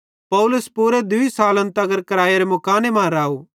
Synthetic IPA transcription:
pɐʊlʊspuːɾed̪ʊisaːlə̃nt̪ɐɡəɾkɐɾaːjeɾemʊkaːnemãːɾaːu

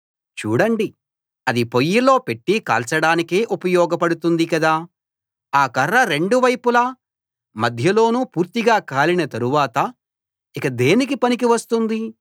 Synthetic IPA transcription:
t͡ʃuːɽɐɳɖi | ɐd̪ipo̞jːilo̞ːpe̞ʈːika̰ːlt͡ʃɐɽaːnikeːʔupɐjɔːɡɐpɐɽut̪und̪ikɐd̪aː | aːkɐrːɐɾe̞ɳɖuʋɐjpulɐ | mɐd̪ʱjɐlo̞ːnupuːɾt̪iɡaːkaːlinɐt̪ɐɾuʋaːt̪ɐ | ikɐd̪e̞ːnik̬ipɐnikiʋɐst̪und̪i

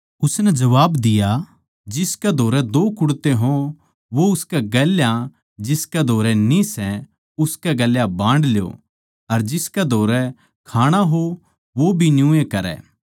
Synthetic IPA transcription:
ʊsnɛd͡ʒɐʋaːbd̪ɪja | d͡ʒɪskɛd̪ʱoːɾɛd̪oːkʊɽt̪eɦõ | ʋoʊskɛɡɛljã | d͡ʒɪskɛd̪ʱoːɾɛnĩsɛ | ʊskɛɡɐljabãːɳɖljo̰ː | ɐɾd͡ʒɪskɛd̪ʱoːɾɛ | kʰaːɽ̃aɦo | ʋobʱinjũːẽkɐɾɛ̰ː

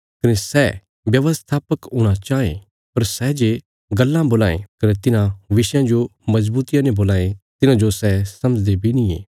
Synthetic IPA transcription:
kɐnesɛ | ʋjɐʋəst̪ʰaːpəkʊɽ̃at͡ʃaːḛ̃ | pɐɾsɛːd͡ʒe | ɡɐlːãboːlaːḛ̃kɐnet̪ɪnãʋɪʃjãd͡ʒomɐzbuːt̪ɪjãnẽboːlaːẽt̪ɪnãd͡ʒosɛsɐmd͡ʒd̪ebʱinĩḛː

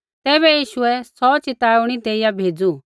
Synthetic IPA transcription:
t̪ɛːbɛjiːʃʊɛsɔt͡ʃɪt̪aːʊɽ̃id̪eːɪjabʱeːd͡zu

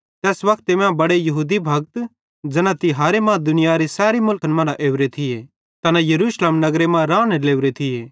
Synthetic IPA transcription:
t̪ɛːsʋɐkʰt̪ɪmãbɐɽejɐɦuːd̪ibʱɐɡt̪ | d͡ʒɐnãt̪ɪɦaːɾemãːd̪ʊnɪjaɾesɛːɾimʊlkənmɐ̃ɾaʔeːwɾet̪ʰɪje | t̪ɐnãjɐɾuːʃleːmnɐɡɾemãɾãːneleːʊɾet̪ʰɪeː

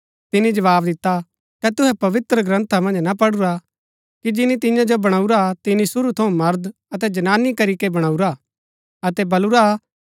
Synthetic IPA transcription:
t̪ɪnid͡ʒɐʋaːbd̪ɪt̪ːa | kɛt̪ʊɦɛpɐʋɪt̪ɾəɡɾɐ̃nt̪ʰamɐ̃nd͡ʒnɐpɐɽʊɾa | kid͡ʒɪnĩt̪̬ɪ̃jãd͡ʒobɐɽ̃aːuɾat̪ɪnisʊɾut̪ʰɐũmɐɾd̪ | ɐt̪ɛd͡ʒɐnaːnikɐɾikebɐɽ̃aːuɾa | ɐt̪ɛbɐluɾa

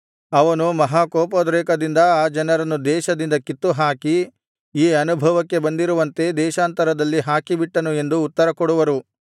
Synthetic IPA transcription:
ɐʋɐnumɐɦaːkoːpod̪ɾɛːkɐd̪ind̪ɐaːd͡ʒɐnɐɾɐnːud̪ɛːʃɐd̪ind̪ɐkit̪ːuɦaːki | iːɐnubʱɐʋɐkːe̞bɐnd̪iɾuʋɐnt̪e̞d̪ɛːʃaːnt̪ɐɾɐd̪ɐlːiɦaːkibiʈːɐnue̞nd̪uːt̪ːɐɾɐkɔɽuʋɐɾu

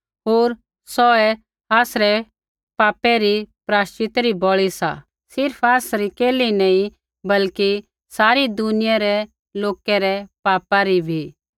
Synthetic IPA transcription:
ɦoːɾ | sɔɛ | aːsɾɛ | paːpɛɾipɾaːst͡ʃɪt̪ɾibɔɭisa̰ | sɪɾpʰaːsɾikeːlinɐĩ | bɐlki | saːɾid̪ʊnɪjaɾɛ | loːkɛɾɛpaːpaɾibʱiː

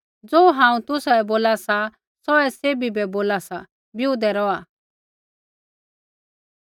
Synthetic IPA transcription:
d͡zoːɦãːũt̪ʊsaɛboːlasa | sɔɛseːbibɛboːlasa | bjud̪ɛɾɔa

